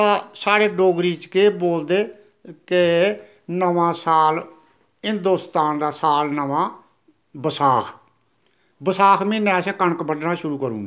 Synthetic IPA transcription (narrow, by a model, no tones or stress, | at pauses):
aːsaːɽeːɖoːɡɾiːt͡ʃkeːboːld̪eː | kɪ | nəʋãːsaːl | ɦɪnd̪oːst̪aːnd̪aːsaːlnəʋãː | bəsaːkʰ | bəsaːkʰmẽːnɛ̃ːsɛ̃ːkəɳəkbəɖnaːʃʊɾuːkəɾṵ̃ːɡaː